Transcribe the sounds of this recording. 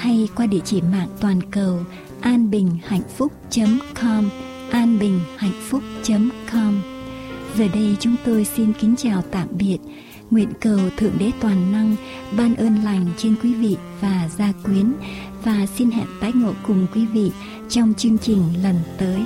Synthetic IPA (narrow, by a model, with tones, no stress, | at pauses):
ha˧jkwaː˧ɗḭ˧˩ət͡ɕi˧˩ma̰ː˧˨ŋt̪waː˨˩nkə˨˩w | ʔaː˧nɓï˨˩ŋ̟ha̰˧˨jŋ̟fʊ˦˥k͡p̚t͡ɕə˨˦mkʰɔ˧m | ʔaː˧nɓï˨˩ŋ̟ha̰˧˨jŋ̟fʊ˦˥k͡pŋ̟̚t͡ɕə˨˦mkɔ˧m | zəː˨˩ɗə˧jt͡ɕʊ˨˦ŋ͡mt̪o˧jsi˧nkï˨˦ŋ̟t͡ɕaː˨˩wt̪a̰ː˧˨mɓi˨˩ət̚ | ŋwḭ˧˨ənkə˨˩wt̪ʰɨ̰˧əŋɗe˨˦t̪waː˨˩nːa˧ŋ | ɓaː˧nʔəː˧nla˨˩jŋ̟t͡ɕe˧nkwi˨˦vḭ˧˨ | vaː˨˩zaː˧kwi˨˦ən | vaː˨˩si˧nhɛ̰˧˨p̚t̪aː˨˦j̚ŋo̰˧˩kʊ˨˩ŋ͡mkwi˨˦vḭ˧˨ | t͡ɕɔ˧wŋ͡mt͡ɕɨ˧əŋt͡ɕï˨˩ŋ̟lə˨˩nt̪əː˨˦j